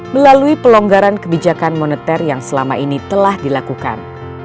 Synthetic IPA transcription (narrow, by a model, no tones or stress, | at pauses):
məlaluipəloŋɡaɾankəbid͡ʒakanmonut̪ɛrjaŋsəlamainit̪əlahdilakuka̰n